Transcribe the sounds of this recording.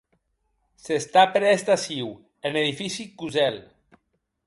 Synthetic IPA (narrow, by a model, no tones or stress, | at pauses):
sest̪apeɾest̪asiw | eneðifisikuzɛl